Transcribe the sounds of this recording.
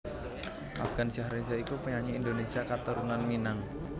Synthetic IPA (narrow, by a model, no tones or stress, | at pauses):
ʔa̰fɡ̥ansaɦɾinsaikupəɲaɲiːnd̪onesiakat̪uɾunanminaŋ